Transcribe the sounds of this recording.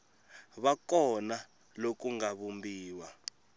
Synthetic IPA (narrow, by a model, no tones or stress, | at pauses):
βakɔna | lok̬uŋaβumbiːwa